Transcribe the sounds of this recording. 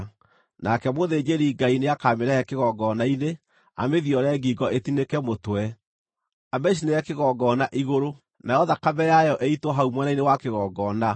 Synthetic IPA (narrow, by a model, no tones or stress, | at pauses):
nakɛmoðed͡ʑeɾiɡaineakameɾɛɛkeɣɔɡɔnaine | a̰meðiɔɾɛɡiɡɔʔetinekɛmotwɛ | amɛʃ̬ineɛkeɣɔɡɔnaʔiɣoɾo | najɔðakabɛjajɔʔeitwɔɦaumwɛnainewakeɣɔɡɔna